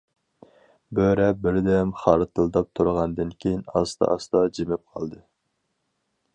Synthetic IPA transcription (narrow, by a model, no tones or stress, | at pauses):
bøɾɛbɪɾd̪ɛmχɑɾɨt̪ɨlˠd̪ɑp̚t̪ʰuɾʁɑnd̪ɨnkʲʰejinɑ̰st̪ɑ̰ʔɑst̪ɑd͡ʒemɪp̚qʰɑ̰lˠd̪ɨ